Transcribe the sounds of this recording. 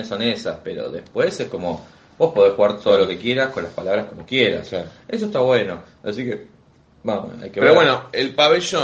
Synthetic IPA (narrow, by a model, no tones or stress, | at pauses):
esonesaspeɾo̰ðḛspwe̞sehko̞mo̞ | bo̞shpo̞ðexuɣaɾt̪ʰoðolo̞ke̞kje̞ɾaskonlaspalaβɾahkomo̞kjeɾa̰se̞s̬oest̪aβwe̞no̞ | asike | noa̰jkeβeɾoβwenoelpaβeʃo